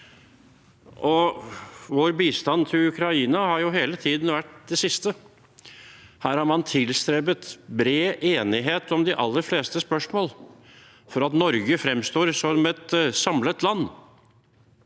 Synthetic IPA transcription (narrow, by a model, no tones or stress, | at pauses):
ʔɔ | ʋoːɾbiːst̪ɑnt̪ʰɪlʉkɾɑiːnɑhɑɾjʊɦeːlət̪ʰiːd̪n̩ʋæʈːd̪ɛsɪst̪ə | hæːɾhɑɾmɑnt̪ʰɪlst̪ɾeːbət̪bɾeːʔeːnɪɦeːt̪ɔmd̪ɪʔɑlːəɾfleːst̪əspœʂmoːl | fɔɾɑt̪nɔɾɡəfɾɛmst̪oːɾsɔɛt̪sɑmlət̪lɑnː